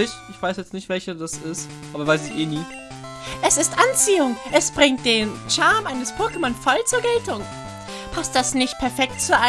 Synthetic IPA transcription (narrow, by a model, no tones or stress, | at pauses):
ɪçʔɪçv̥aɪsjɛt͡stnɪçtv̥ɛlçɐdasɪst | ʔaːbɐvaɪsɪçeːniː | ʔɛsɪstʔant͡siːʊŋʔɛsb̥ʁɪŋt̚d̥eːnʃaɐmʔaɪnəspʰoɐkəmɔnfɔlt͡suːɐɡɛltʊŋ | pʰast̚d̥asnɪçt̚pʰɛɐfɛk̚tt͡suɐʔa